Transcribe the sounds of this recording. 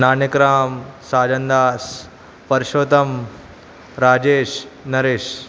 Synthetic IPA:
naːnikɾaːmsaːd͡ʒɐnd̪aːs | pɐɾʃoːt̪ɐm | ɾaːd͡ʒeːʃnɐɾeːʃ

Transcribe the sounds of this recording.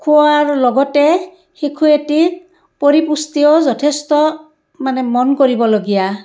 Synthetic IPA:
kʰuwaɹlɔɡɔte | xikʰueti | poɾipust̪iɔzɔtʰest̪ɔ | manɛmɔnkoɾibɔloɡija

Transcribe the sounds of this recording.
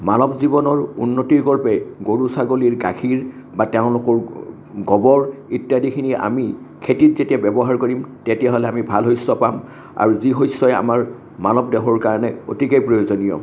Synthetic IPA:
manɔpzibɔnɔɹunːotiɹɡɔɹpɛɡoɹusaɡoliɹɡakʰiɹ | batɛʊ̃lʊkɔɹ | ɡɔbɔɹitjadikʰinia̰mi | kʰetit̚zetiabɛbɔɦaɹkoɹimtetijaɦɔlɛamibʱalɦojsːɔpam | a̰ɹuziɦojsːɔɛa̰maɹ | manɔpdɛɦɔɹkaɹɔnɛotikejpɹojozonijɔ̰

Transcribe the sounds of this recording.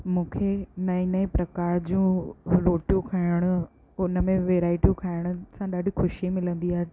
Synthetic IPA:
mũːkʰenɐinəepɾɐkaːɾd͡ʑũːloːʈjũkʰaːɪɽ̃ʊ | ʊnəmẽʋeːɾaːɪʈijũkʰaːɪɽ̃ʊ̆sãɗaːɖʱixʊʃimɪlə̃nd̪iaːɦe

